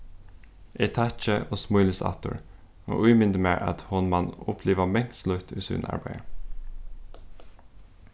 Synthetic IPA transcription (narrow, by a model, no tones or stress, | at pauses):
ʔeɪt̪ʰɑt͡ʃəʔoːsmʊʏləsɑ̰t̪ə̰ɹ | o̰ːʔʉːmɪnd̪əmeːɹʔɑ̰t̪hʊnmɑnʊpʰliːʋəmɛŋslʉt̪ʰʉ̰ːsʉ̰nɑ̰ɹbæɪə